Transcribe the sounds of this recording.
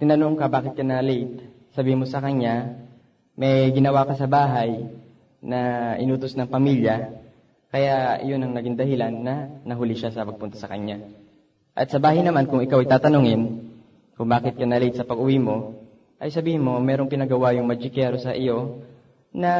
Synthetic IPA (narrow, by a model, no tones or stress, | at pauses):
t̪ɪnɐnoŋkɐbaːkɪt̪̚kɐnɐlɛjt̪̚ | sɐbiːhɪmosɐkɐɲːa | mɛjɡɪnɐwakɐsɐbaːɦɐj | nɐʔɪ̰nuːt̪osnɐŋpɐmiljɐ | kɐjaʔʔɪ̰jo̞nɐŋnɐɡɪŋd̪ɐhɪlanːɐnɐɦʊlɪʃasɐpɐɡ̚pʊnt̪ɐ̥sɐkɐɲa | ʔɐt̪sɐbaːhɐjnɐmankʊŋʔɪkawʔɐjt̪aːt̪ɐnoŋɪn | kʊŋbaːkɪt̪̚kɐnɐlejt̪sɐpɐɡʔʊwimo̞ | ʔɐjsɐbiːhɪnmːo̞mɛːɾo̞ŋpɪnɐɡɐwajʊŋmɐd͡ʒɪkɛɾosɐʔɪjo̞ | nɐ